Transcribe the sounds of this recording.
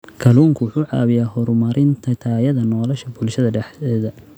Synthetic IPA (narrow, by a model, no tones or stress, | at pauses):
kʰɐluːŋkʰʊwʊħuːʕɑ̰ːβɪjaːɦɔɾmɐɾɪnt̪ʰɐt̪ʰaːjɐðɐnɔːlɔʃɐbʊlʃɐðɐɖɛħɛːðɐ